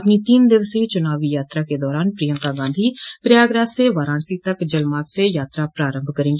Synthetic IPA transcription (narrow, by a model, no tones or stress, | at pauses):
əpniːt̪iːnd̪ɪʋsit͡ʃʊnaːʋiːjaːt̪ɾaːked̪ɔːɾaːnpɾijə̃ŋt̪aːɡãːnd̪ʱiːpɾɪjaːɡɾaːseːʋaːɾãːɳsiːt̪əkd͡ʒəlmaːkseːjaːt̪ɾaːpɾaːɾə̃mbʱkəɾẽːɡeː